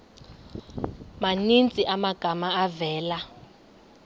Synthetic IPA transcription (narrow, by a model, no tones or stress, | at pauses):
manint͡sʼiʔamaɡ̥ʱamaːvɛːla